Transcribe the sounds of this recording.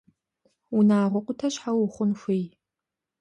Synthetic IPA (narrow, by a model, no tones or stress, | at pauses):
unaːʁʷʊqʷʊtʰɐɕħawʊχʷʊnxʷej